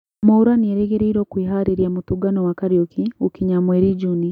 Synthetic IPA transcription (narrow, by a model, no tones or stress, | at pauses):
mouɾanieɾeɣeɾeiɾoːkwiːɦaɾiɾjamutuɡanowakaɾjokiukiɲamweːɾid͡ʒuni